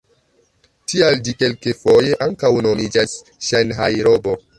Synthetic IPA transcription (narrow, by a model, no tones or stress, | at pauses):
tiald͡ʒike̞lkefo̞je̞ʔaŋkawno̞mid͡ʒas | ʃanɦajɾobo